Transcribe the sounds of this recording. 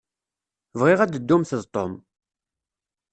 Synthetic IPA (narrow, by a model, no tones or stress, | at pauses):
vʁɪʁæd̪əd̪ːumθəðˤt̪ˤom